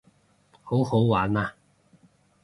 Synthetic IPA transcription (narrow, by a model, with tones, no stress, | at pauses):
ho˨˥who˨˥wwaː˨˥naː˧